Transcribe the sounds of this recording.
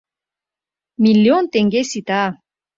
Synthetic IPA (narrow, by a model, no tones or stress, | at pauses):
miljont̪eŋɡesit̪a